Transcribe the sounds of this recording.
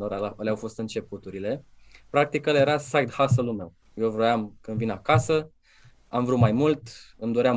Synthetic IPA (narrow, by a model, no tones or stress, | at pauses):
oɾəleawfo̞st̪ɨnt͡ʃe̞put̪uɾile̞ | pɾak̚t̪ikəljeɾasajd̪hasəlume̞w | jewvɾojamkɨnd̪vinakasə | amvɾut̪majmult̪ɨmd̪oɾeam